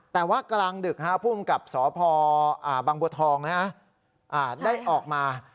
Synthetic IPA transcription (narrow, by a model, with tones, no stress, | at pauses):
t̪ɛː˨˩waː˥˩klaː˧ŋdɯ˨˩k̚ʰa˦˥˩pʰuː˥˩mka˨˩p̚sɔː˩˦pʰɔː˧ʔaː˨˩baː˧ŋbu˧t̪ʰɔː˧ŋna˦˥kʰa˥ | ʔaː˨˩daː˥˩jʔɔː˨˩k̚maː˧